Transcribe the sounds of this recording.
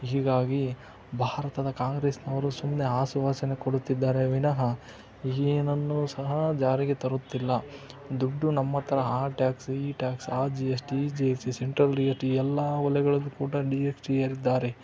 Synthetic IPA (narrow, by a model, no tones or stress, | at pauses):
ɦiːɡaːɡi | bʱaːɾɐt̪ɐd̪ɐkaːŋɡɾeːsnɐʋɐɾusumne̞ɦaːsuʋaːsɐnekoɽut̪ːid̪ːaːɾe̞ʋinɐɦɐ | inɐnːusɐɦɐd͡ʒaːɾiɡet̪ɐɾut̪ːilːɐ | d̪uɖːunɐmːɐt̪ʰːɐɾɐaːʈjaːksiːʈjaːksaːd͡ʒiesʈid͡ʒiesiseɳʈɾɐlijesʈiɛlːɐʋɐlɛɡɐɭɐlːukuːɽɐɖieksʈieːɾid̪ːaːɾe